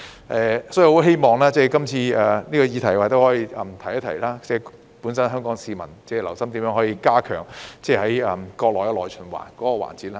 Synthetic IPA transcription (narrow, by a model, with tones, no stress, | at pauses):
ʔɛː˧sɔ˨˥jho˨˥wɦe˥jmɔː˨ŋlaː˥t͡sɛː˥˩kɐ˥mt͡sʰiː˧aː˨˩niː˥kɔː˧jiː˧t̪ʰɐ˨˩jwaː˨jt̪o˥hɔː˨˥jiː˧ʔɐ˨mt̪ʰɐ˨˩jɐ˥t̪ʰɐ˨˩jlaː˥t͡sɛ˥˩ | pu˨˥nsɐ˥nɦœː˥ŋkɔː˨˧˥ŋsiː˧mɐ˨˩nt͡sɛː˥˩lɐ˨˩wsɐ˥mt̪iː˨˥mjœː˨˧ŋɦɔː˨˥jiː˧kaː˥kʰœ̰ː˨˩ŋt͡sɛː˧hɐ˨˥jɐː˨mkɔː˧k̚lɔː˨jkɛ˧lɔː˨˩jt͡ʃʰɵ˨˩nwa̰ː˨˩nkɔː˨˥kɔ˧wa̰ː˨˩nt͡siː˨˥t̚laː˥